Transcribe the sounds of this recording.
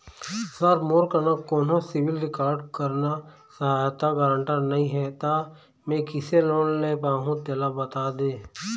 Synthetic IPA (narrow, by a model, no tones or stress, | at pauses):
səɾmoːɾkəɾnakoːnõsɪʋɪlɾɪkaːɾɖkəɾna | səɦaːjt̪aɡəɾə̃ɳʈəɾnəɦĩɦɛt̪a | mẽkɪseloːnleːpaːɦũt̪eːlabət̪aːd̪ẽː